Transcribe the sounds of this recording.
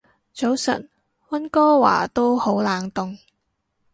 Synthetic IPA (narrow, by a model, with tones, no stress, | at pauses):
t͡so˨˥wsɐ̰˨t̚ | wɐ˥nkɔː˥wa̰ː˨˩t̪o˥who˨˥wlaː˨ŋt̪ʊ˨ŋ